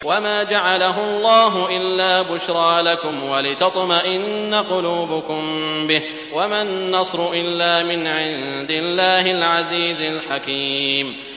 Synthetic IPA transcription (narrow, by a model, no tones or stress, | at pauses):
wamaːd͡ʒaʕalaɦʊlˤːɑːɦʊʔɪlːaːbʊʃɾˤɑːlakʊmwalɪt̪ɑt̪ˤmaʔɪnːaqʊluːbʊkʊmbɪh | wamanːɑsˤɾʊʔɪlːaːmɪnʕɪnd̪ɪlːaːhɪlʕaziːzalħakiːm